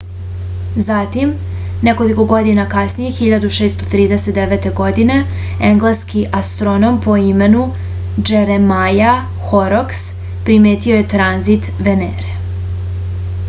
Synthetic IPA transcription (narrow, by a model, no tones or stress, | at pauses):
zat̪im | neko̞liko̞ɡo̞d̪inakasnijexiʎad̪uʃeːst̪o̞t̪ɾiːd̪eset̪d̪eʋe̞t̪e̞ɡo̞d̪ine̞ | eŋɡlˠeskiʔast̪ɾonompo̞ime̞nu | d͡ʒeɾemaja | xoɾoks | pɾime̞ːt̪io̞je̞t̪ɾanzit̪ʋeneɾe